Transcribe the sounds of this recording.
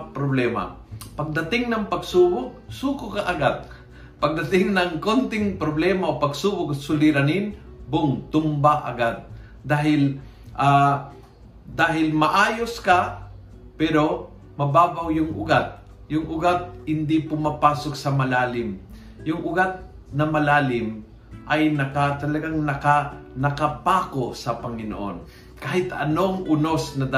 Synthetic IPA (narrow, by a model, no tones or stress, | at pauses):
pɾoblɛːma̰pɐɡ̚d̪ɐt̪ɪŋnɐŋpɐɡsuːbʊk̚suːkʊkaʔɐɡad̪̚ | pɐɡ̚d̪ɐt̪ɪŋnɐŋkont̪ɪŋpɾoblɛːmaopɐɡsuːbʊk̚sʊlɪɾanɪn | bʊŋt̪ʊmbaʔɐ̰ɡad̪̚ː | aːɦɪl | ʔa | d̪aːɦɪlmɐʔaːjoska | pɛːɾo̞ | mɐbaːbɐwjʊŋʔʊɡat̪̚ | jʊŋʔʊɡat̪̚hɪnd̪ipʊmapaːsok̚sɐmɐlaːlɪm | jʊŋʔʊɡat̪̚ | nɐmɐlaːlɪm | ʔɐjnɐkɐt̪ɐlɐɡaŋnɐkanɐkɐpaːkosɐpɐŋɪno̰ʔon | kaːhɪt̪ɐ̰noŋʔʊnosnɐd̪a